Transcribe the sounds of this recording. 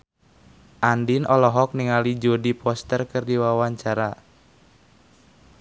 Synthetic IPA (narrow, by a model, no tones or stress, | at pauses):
ʔandinʔɔlɔɦɔk̚niŋalid͡ʒodipɔst̪ərkɨrdiwawaɲt͡ʃaɾa